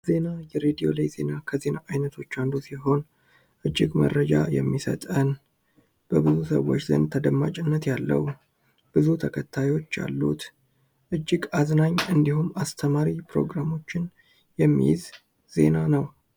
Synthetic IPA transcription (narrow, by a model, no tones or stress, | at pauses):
ze̞najɛɾed̪io̞̰lajze̞̰nakʰəze̞naʔajnət̪ʰo̞t͡ʃːand̪usiɦo̞n | ʔɨd͡ʒːɪɡmə̰rːəd͡ʒa̰jɛ̰mːisət̪ʼən | b̥əbɨzusə̰wːo̞̰t͡ʃːzə̰nt̪ʰəd̪əmːat͡ʃʼɪnːət̪jalːə̰w | b̥ɨzut̪ʰəkʰət̪ʰːajo̞t͡ʃːja̰lːṵt̪ | ʔɨd͡ʒːɪɡaznaɲːɨnd̪iɦumːast̪ʰəmaɾipɾo̞̰ɡɾamo̞t͡ʃːɪn | jɛmːḭjɪz | z̥e̞̰nanəw